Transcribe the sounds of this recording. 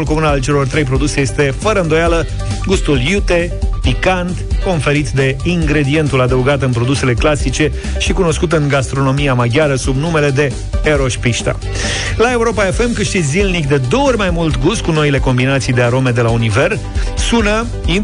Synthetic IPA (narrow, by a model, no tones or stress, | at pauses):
ulko̞munalt͡ʃe̞lo̞rt̪ɾe̞jpɾo̞d̪use̞je̞st̪e̞fəɾəɨnd̪o̞jalə | ɡust̪uljut̪e̞ | pikant̪ko̞nfe̞ɾit̪d̪e̞iŋɡɾe̞d̪ie̞nt̪ulad̪əuɡat̪ɨnpɾo̞d̪use̞le̞klasit͡ʃe̞ | ʃikuno̞skut̪ɨŋɡast̪ɾo̞no̞miamaɡʲjaɾəsubnume̞le̞d̪e̞ | eɾo̞ʃpiʃt̪a̰ | lae̞uɾo̞pae̞fe̞mkɨʃt̪isʲzilnikd̪e̞d̪o̞rʲmajmult̪ɡust̪̚kuno̞ile̞ko̞mbinat̪sijd̪e̞aɾo̞me̞d̪e̞launive̞r | sunə | i